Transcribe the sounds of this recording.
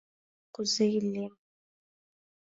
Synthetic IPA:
qʷʊzɐjɪlːeː

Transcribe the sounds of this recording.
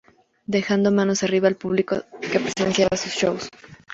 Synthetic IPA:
d̪e̞xand̪o̞mãno̞sariβaːlpuβliko̰ke̞pɾesensjaβasusʃows

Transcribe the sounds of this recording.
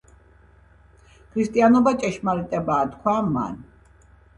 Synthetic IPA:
kʰɾist̪ʼianɔbat͡ʃʼɛʃmalit̪ʼɛbaːt̪kʰwama̰n

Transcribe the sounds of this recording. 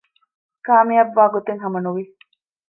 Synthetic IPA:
kaːmiɐʋːaːɡot̪eŋɦɐmɐnuʋi

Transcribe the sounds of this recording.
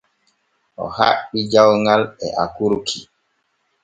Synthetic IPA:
ʔɔ̰ha̰ɓid͡ʒawŋɡalɛʔakuɾkʰi

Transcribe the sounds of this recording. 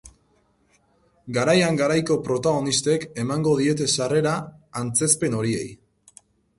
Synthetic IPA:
ɡaɾajaŋɡaɾajko̞pɾo̞t̪aɣ̞o̞nist̪e̞ke̞maŋɡo̞ðie̞t̪̬e̞sare̞ɾaːnt͡se̞spe̞no̞ɾie̞̰j

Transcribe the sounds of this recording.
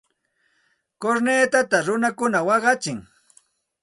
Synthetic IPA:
koɾneːt̪at̪aɾʊnakʊnawɑɢɑt͡ʃɪŋ

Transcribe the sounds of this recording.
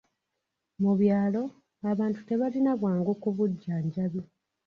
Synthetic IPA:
muβjaːlo̞ | aβaːntu̥te̞βalinaβwaːŋɡokuβuɟːaɲɟaβjo

